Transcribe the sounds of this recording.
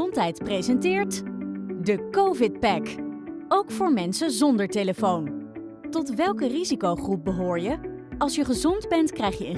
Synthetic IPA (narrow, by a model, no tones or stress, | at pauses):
ɔntɦɛjtprejzɛntɪːɹtdəkowvɪt̚pɛkowkfʊːɹmɛnsəzɔndəɹteləfown | tɔtʋɛlˠkərizikowχrup̚bəɦʊːɹjəɑlˠsjəχəzɔndbɛntkrɛjχjəə